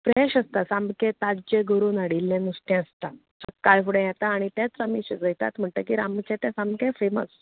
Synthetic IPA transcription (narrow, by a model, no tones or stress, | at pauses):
pɾɛɕəst̪asambkɛ̃t̪ad͡ʑeɡʱəɾunaɽilːɛ̃nusʈ̪ɛ̃əst̪a | səkːalfuɽɛ̃jɛt̪aːɽ̃it̪ɛ̃t͡sɾamiɕid͡zəjt̪a̰t̪m̤əɳʈ̪əkiɾamt͡ɕɛ̃t̪ɛ̃sãmbkɛ̃femə̰s